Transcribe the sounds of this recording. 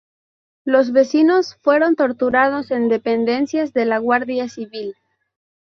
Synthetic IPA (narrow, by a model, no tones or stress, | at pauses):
lo̞zβe̞sino̞sfwe̞ɾo̞nt̪o̞ɾt̪uɾað̞o̞se̞nd̪e̞pe̞nd̪e̞nsjazðe̞laɣwaɾðjasiβil